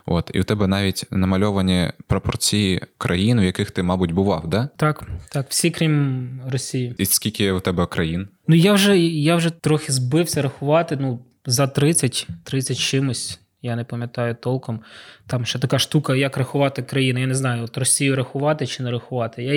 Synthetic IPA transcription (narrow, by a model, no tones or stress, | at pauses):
o̰t̪ḭwt̪ɛbɛnɑʋʲitʲnɐmɐlʲɔʋɐnʲipɾɔpɔrt͡sʲijikɾʔɐjinwjɐkɪxt̪ɪmɑbʊtʲbʊʋɑ̰wd̪ɛt̪ɑkt̪ɑkw̥sʲikɾʲimrɔsʲijiiskʲilʲkʲɪwt̪ɛbɛkɾɐjinnujawʒɛjawʒɛt̪ɾɔxʲɪzbɪwsʲɐɾɐxʊʋɑt̪ɪnu | zɐt̪ɾɪt͡sʲːɐtʲt̪ɾɪt͡sʲɐtʲt͡ʃɪmʊsʲ | janɛpɐmʲjɐt̪ɑjʊt̪ɔlˠkɔmt̪ɑmʃt͡ʃɛt̪ɐkɑʃt̪ukɐjɐkrɐxʊʋɑt̪ɪkɾɐjinɐjaneznɑjʊɔt̪rɔsʲijʊɾɐxʊʋɑt̪ɪt͡ʃɪnɛɾɐxʊʋɑt̪ɪja